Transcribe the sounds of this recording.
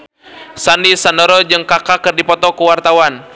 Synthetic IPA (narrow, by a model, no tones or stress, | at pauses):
sandisandɔɾɔd͡ʒɨŋkakakɨrdipɔt̪ɔkuwart̪awan